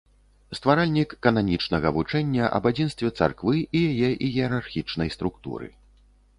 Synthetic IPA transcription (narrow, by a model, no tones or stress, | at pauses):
st̪vaɾalʲnʲikːɐnanʲit͡ʂnɐɣɐvut͡ʂɛnʲːɐʔɐ̰bad͡zʲinst̪vʲɛt̪sa̰rkvɨijajɛʔiɣʲiɛɾarxʲit͡ʂnɐjst̪ɾukt̪ṵɾɨ̰